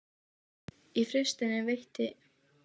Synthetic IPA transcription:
ifɾɪst̪ɪnɪvejht̪ɪ

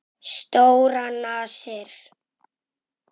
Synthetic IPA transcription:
st̪oːwɾanaːsɪɾ̥

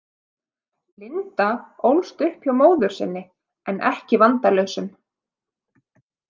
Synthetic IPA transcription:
lɪnt̪aowlst̪ʏhpçawmoːwðʏɾ̥sɪ̰nːɪ | ɛnʔɛhcɪvant̪alœɥwsʏm

